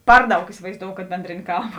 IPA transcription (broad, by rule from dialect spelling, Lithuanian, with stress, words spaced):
ˈpɐr ˌdɐʊk ɪsʲɪʋɐɪzˈdoːʊ kɐt ˈbʲɛnʲdʲrʲeːnʲeː ˈkɐlˠbɐ